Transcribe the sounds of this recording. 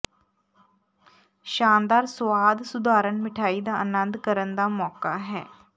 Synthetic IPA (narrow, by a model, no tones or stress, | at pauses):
ʃaːnd̪aːɾsʋaːd̪sʊd̪ʱaːɾənmɪʈʰaːid̪aːʔənənd̪kəɾənd̪aːmɔːkaɦɛ̰ː